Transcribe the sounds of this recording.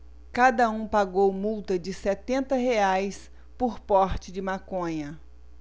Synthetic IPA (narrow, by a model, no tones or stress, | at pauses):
kad̪ɐũpaɡowmuwt̪ɐd͡ʒɪsɛt̪ẽnt̪ɐɦeajs | poɾpɔɾt͡ʃɪd͡ʒɪmakõɲɐ